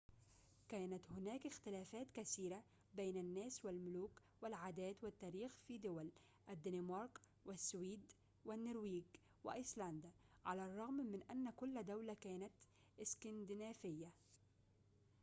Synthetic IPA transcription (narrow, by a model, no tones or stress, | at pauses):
kæːnat̪hʊnæːkɪxt̪ɪlaːfæːt̪kaθiːɾa | bejnanːæːswɪlmʊluːk | wɪlʕaːd̪æːt̪wɪt̪ːaːɾiːxfiːd̪ʊwal | ʔad̪ːɪnɪmɑɾˤk | wɪsːwiːd̪ | wɪnːʊɾwiːɡ | wɪ̰ʔɪsland̪aʕalarˤːɑɣmmɪnʔanːakʊlːd̪awlakæːnat̪ | ʔɪskand̪ɪnaːfɪjːa